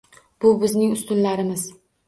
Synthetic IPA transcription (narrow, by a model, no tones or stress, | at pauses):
b̥ʊbɪznɪŋʊst̪ʊnlaɾɪmɪz